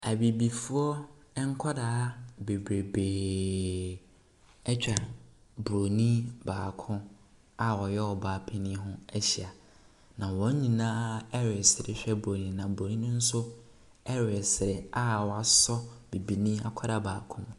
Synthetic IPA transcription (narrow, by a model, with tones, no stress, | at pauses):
a˨bi˨bi˨fu˦ɔ˦ | ɛ˦ŋ̩˦kʰɔ˦daː˨˦be˨bɾe˨beː˨ | ɛ˦t͡ɕᶣa˨bɾo˨nĩ˦baː˨kʰʊ̃˦ | a˦˨wɔ˨jɛ˦ɔ˨baː˨pʰɪ˦nĩ˦ɦʊ̃˦ɛ˦ɕi˨a˨ | nã˨wɔ̃˨˦ɲ˦ɲĩ˨nãː˦ɛ˦ɾɛ˨sɪ˨ɾɪ˨˦ɕᶣɛ˦bɾo˨nĩ˨˦nã˨bɾo˨nĩ˦nʊ̃˦n̩˦sʊ˦ | ɛ˦ɾɛ˨sɪ˨ɾɪ˨a˦wɔ˨a˨sɔ˦bi˨bi˨nĩ˦a̰˨kʷʰɔ˦da˨˦˨baː˨kʰʊ̃˦m